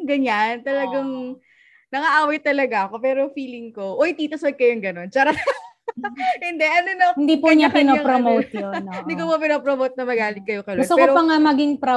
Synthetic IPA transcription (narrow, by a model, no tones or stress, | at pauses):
ɡɐɲant̪ɐlɐɡɐŋ | nɐŋɐʔaːwɐjt̪ɐlɐɡaʔɐko̞pɛːɾofiːlɪŋko̞ʔojt̪iːt̪ɐswɐd̪̚kɐjoŋɡɐno̞nt͡ʃaːɾɐ | hɪnd̪ɛʔɐnonohɪnd̪ipʊɲaɪnoɐpɾomowt̪jonnd̪ɪkopopɪnoːpɾomowt̪̚nɐmɐɡaːlɪɡ̚kːɐjokɐjloɡʊst̪ʊɛkoɾopɐŋamɐɡiŋpɾo